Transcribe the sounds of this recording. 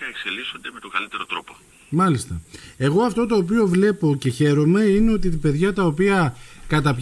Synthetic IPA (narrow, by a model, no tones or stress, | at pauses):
ɐekse̞liso̞nd̪eme̞t̪o̞ŋɡɐlit̪e̞ɾo̞t̪ɾo̞po | mɐlist̪ɐe̞ɣo̞ɐft̪o̞t̪o̞ːp̬io̞vle̞po̞ce̞çe̞ɾo̞me̞ine̞o̞t̪it̪ipe̞ðʝɐt̪ɐopiɐkɐt̪ɐp